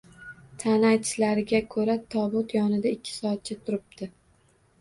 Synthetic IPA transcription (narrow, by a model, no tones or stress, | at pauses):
t̪ʰanat͡ʃʰlaɾɪɡʲakʰɵɾat̪ʰɒbʊt̪jɒnɪd̪aɪkʲʰːɪ̥sɒat̪̚t͡ʃʰɪt̪ʰʊɾɪp̚d̪̥ɪ